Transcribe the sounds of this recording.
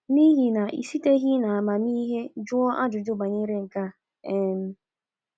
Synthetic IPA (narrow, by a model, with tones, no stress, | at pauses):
ni˦ɦi˨na˨ʔḭ˨si˦te˦ɦi˦na˨a˨ma˨mi˦ɦe˦d͡ʒʊ˦ɔ˦ʔa˦d͡ʒʊ˨d͡ʒʊ˦ɡ͡ba˨ɲe˦ɾe˦ŋ̩˨ka˦˨ | e˦m̩˦